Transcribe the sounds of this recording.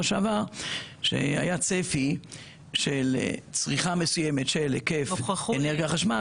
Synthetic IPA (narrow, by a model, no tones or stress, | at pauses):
ʃavaʃḛa̰jat͡sefi | ʃelt͡sʁiχame̞sujemet̪ʃelekefeneʁɡiaχaʃma